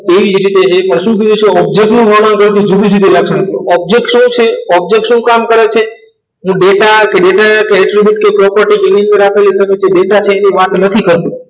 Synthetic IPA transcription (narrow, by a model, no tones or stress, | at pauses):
eʋid͡ʒɾit̪et͡ʃʰepəɾʃũk̬id̪it͡ʃʰũɔbd͡ʒek̚ʈnũɦəʋankəɾt̪id͡ʒud̪ʱid͡ʒud̪ʱilaɡʃonək̪uɔb̚d͡ʒek̚ʈʃũt͡ʃʰeɔb̚d͡ʒek̚ʈʃũkamkəɾet͡ʃʰe | ɦũɖeʈakeɖeʈakeɾeʈɾibjuʈ̚kepɾɔpəɾʈikeniə̃nd̪əɾapʰelet̪əmẽd͡ʒeɖeʈat͡ʃʰeeniʋat̪nət̪ʰikəɾt̪ũ